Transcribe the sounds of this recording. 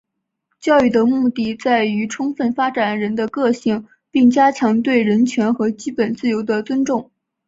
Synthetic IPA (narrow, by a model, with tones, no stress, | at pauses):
t͡ɕjɑ˥˧ʊy˥˩d̪ə˩mu˥˧t̪i˥˧t͡sa˥˩ɪy˧˥ʈ͡ʂʰʊ˥ŋfə˥˩nfa˥ʈ͡ʂa˨˩nɻə˧˥nd̪ə˧kɤ˥˧ɕi˥˩ŋ | pi˥˩ŋt͡ɕja˥t͡ɕʰjɑ˧˥ŋt̪we˥˩ɪɻə˧˥nt͡ɕʰɥɛ˧˥nxɤ˧˥t͡ɕi˥pə˨˩nt͡sɹ̩˥˩jo˧˥ʊd̪ə˧t͡swə˥nʈ͡ʂʊ˥˩ŋ